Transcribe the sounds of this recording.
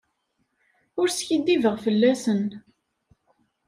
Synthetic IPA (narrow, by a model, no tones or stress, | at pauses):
ʊɾsçid̪ivəʁfəlːæsən